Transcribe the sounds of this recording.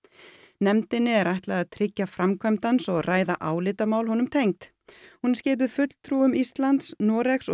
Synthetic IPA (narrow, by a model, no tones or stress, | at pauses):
nɛmt̪ɪnːɪɛɾajht̪laɣaðt̪ʰɾɪcːafɾamkʰœmt̪ansɔɣraːjða̰ʔaːwlɪːt̪amaːwlhɔnʏmt̪ʰejŋt̪ | hunɾscɪːp̬ʏðfʏt̪l̥t̪ʰɾuːʏmist̪lant̪snɔːɾɛxsɔ